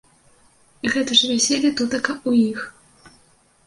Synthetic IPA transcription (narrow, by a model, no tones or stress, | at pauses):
ɣɛt̪ɐʐɨvʲasʲelʲit̪ut̪ɐkɐujix